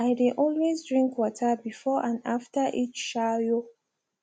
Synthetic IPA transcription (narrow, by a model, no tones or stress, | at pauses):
aɪdẽʔɔlwezdɹĩŋkwɔtʰəbifɔʔãnaftəʔit͡ʃʃajo